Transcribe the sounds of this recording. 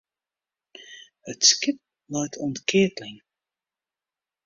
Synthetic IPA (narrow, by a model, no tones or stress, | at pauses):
hətskɪp̚ | lœjtʰɔntkɪːtlɪŋ